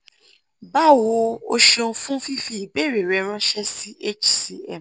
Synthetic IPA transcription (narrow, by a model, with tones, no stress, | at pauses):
ba˦wo˧o˧ʃo˧˦fũ˦fi˦fi˧˦i˨be˨˦˨ɾe˨ɾɛ˧˦ɾ̃ã˦ʃɛ˦si˦ʔe˦t͡ʃsi˧ɛ̰˨